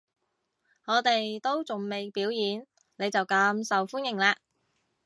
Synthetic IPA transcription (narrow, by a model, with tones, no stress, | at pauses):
ŋɔː˨˧t̪e˨jt̪o˥wt͡sʊ˨˩ŋme˨jpiː˨˥wjiː˨˥n | ne˨˧jt͡sɐ˨wkaː˨˧˥msɐ˨wfuː˥njɪ˨˩ŋlaː˧